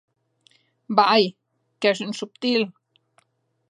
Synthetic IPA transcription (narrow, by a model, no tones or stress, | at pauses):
baʔaj | keʃnsupt̪il